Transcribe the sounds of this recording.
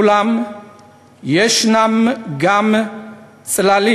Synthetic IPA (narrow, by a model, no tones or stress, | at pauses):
lam | jeʃnamɡam | t͡sʼlali